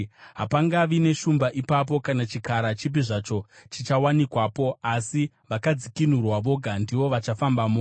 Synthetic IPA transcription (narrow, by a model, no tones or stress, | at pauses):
ɦapaŋɡaʋine̞ʃumbaʔipap̬o̞kanat͡ʃikaɾat͡ʃip̬iʐat͡ʃo̞t͡ʃit͡ʃawanikwapo̞asi | ʋakad͡zikin̤urwaʋo̞ɡʱandiʋo̞ʋat͡ʃafambamo